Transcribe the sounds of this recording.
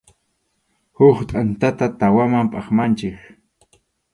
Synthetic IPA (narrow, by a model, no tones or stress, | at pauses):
hʊχt̪ʼant̪at̪at̪awamampʼaχmant͡ʃɪk